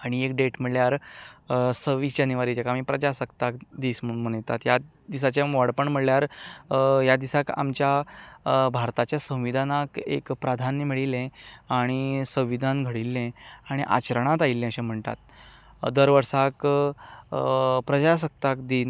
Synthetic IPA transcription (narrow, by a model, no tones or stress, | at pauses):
aɽ̃iekɖeʈm̤əɽljaɾ | səʋid͡ʑənəʋaɾit͡ɕakam̤iːpɾəd͡ʑasəkt̪akd̪iːsmm̤əɳjt̪a̰t̪ja | d̪isat͡ɕẽʋɔɽpəɳm̤əɽljaɾ | jad̪isaka̰mt͡ɕja | bʱaɾt̪at͡ɕjasə̃w̃ʋid̪ʱanakḛkpɾad̪ʱanːimiɭilɛ̃aɽ̃isə̃w̃ʋid̪ʱãnɡʱəɽilːɛ̃aɽ̃iʔa̰t͡ɕəɾɳ̃at̪ailːɛ̃əɕẽm̤əɳt̪a̰t̪̚ | d̪əɾʋəɾsak | pɾəd͡ʑas̬ək̚t̪akd̪iːn